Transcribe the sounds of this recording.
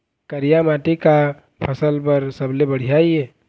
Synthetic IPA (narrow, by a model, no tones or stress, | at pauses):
kəɾijamaːʈika | pʰɐsəlpɐɾsɐblebɐɽ̤ijaiɦɛː